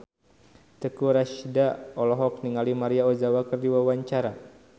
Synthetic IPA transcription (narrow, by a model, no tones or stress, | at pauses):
t̪əkuɾaʃdaɔlɔɦɔk̚niŋalimaɾiaɔzawakərdiwawaɲt͡ʃaɾa